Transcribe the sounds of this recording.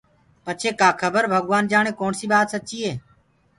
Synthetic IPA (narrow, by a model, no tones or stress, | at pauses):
pət͡ʃʰeːkaːkʰəbəɾbʱəɠʋaːnd͡ʒaːɳeːkoːnsiːbaːt̪sət͡ʃiːeː